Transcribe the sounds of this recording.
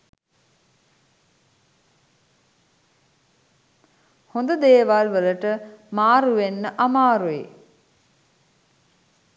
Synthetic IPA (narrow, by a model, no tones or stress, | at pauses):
hond̪əd̪eːʋalʋələʈəmaːɾuʋenːəʔamaːɾujḛ